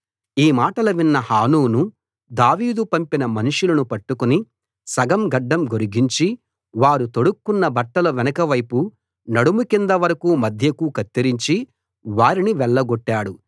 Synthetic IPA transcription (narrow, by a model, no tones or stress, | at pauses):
iːmaːʈɐlɐʋinːɐhaːnuːnu | d̪aːʋiːd̪upɐmpinɐmɐnuʂulɐnupɐʈːukuni | sɐɡɐmɡɐɖːɐmɡoɾuɡiɲt͡ʃi | ʋaːɾut̪oɽukːunːɐbɐʈːɐlɐʋɛnɐkɐʋɐjpu | nɐɽumukind̪ɐʋɐɾɐkuːmɐd̪ʱjɐkukɐt̪ːiɾiɲt͡ʃi | ʋaːɾiniʋɛɭːɐɡoʈːaːɽu